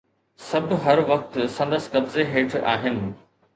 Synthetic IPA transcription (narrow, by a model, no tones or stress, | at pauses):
sɐbʱɦɐɾʋɐk̚t̪sɐ̃nd̪əsɪ̥̆kɐbzeɦeːʈʰa̰ːɦɪnɪ̆